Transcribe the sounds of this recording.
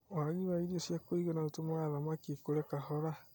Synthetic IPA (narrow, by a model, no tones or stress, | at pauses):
aɣiβaiɾosjakoiɣonaotomaɾamakikoɾɛkahɔɾa